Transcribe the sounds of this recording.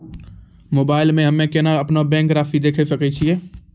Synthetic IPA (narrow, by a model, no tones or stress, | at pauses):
moːbaːɪlmẽɦɐmẽkenaɐpnabɛ̃ːŋkɾaːfid̪eːkʰesɐket͡ʃʰieː